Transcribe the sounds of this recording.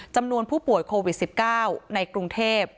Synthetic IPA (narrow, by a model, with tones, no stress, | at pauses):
t͡ɕa˧mnu˧ənpʰuː˥˩pu˨˩əjkʰoː˧wi˨˩t̪̚si˨˩p̚kaː˥˩wna˧jkɾu˧ŋt̪ʰeː˥˩p̚